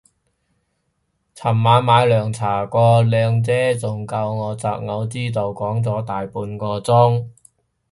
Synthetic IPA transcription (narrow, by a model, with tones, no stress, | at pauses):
t͡sʰɐ˨˩mːaː˨˧nmaː˨˧jlœː˨˩ŋt͡sʰaː˨˩kʷɔː˧lœː˨˧ŋt͡sɛː˥t͡sʊ˨ŋkɐ˧wŋɔː˨˧t͡saː˧k̚ŋɐ˨˧wt͡siː˥t̪o˨wkɔː˨˥ŋt͡sɔː˨˥t̪aː˨jpuː˧nkɔː˧t͡sʊ˥ŋ